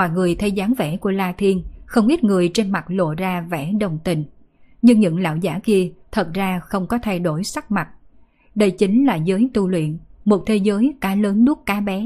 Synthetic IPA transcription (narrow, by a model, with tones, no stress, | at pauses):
a˨˩ŋɨ˨˩əjt̪ʰə˧jzaː˨˦ŋvɛ˧˩ku˧˩əlaː˧t̪ʰi˧ənxə˧wŋ͡mʔi˦˥t̚ŋɨ˨˩əjt͡ɕe˧nma˨˩t̚lo̰˧˨zaː˧vɛ̰˧˩ɗə˨˩wŋ͡mt̪ï˨˩ŋ̟ | ɲɨ˧ŋɲɨ̰˧˥ŋla̰ː˧˨wzaː˧˨˦ki˧ət̪ʰə˨˩t̚zaː˧xə˧wŋ͡mkɔ˨˦t̪ʰa˧jɗo˧˩jsa˦˥k̚ma˨˩t̚ | ɗə˧jt͡ɕi˨˦ŋ̟laː˨˩zəː˨˦jt̪u˧lwḭ˧˨ənmo˨˩t̚t̪ʰe˨˦zəː˨˦jkaː˨˦ləː˨˦nɗu˦˥k̚kaː˨˦ɓɛ˨˦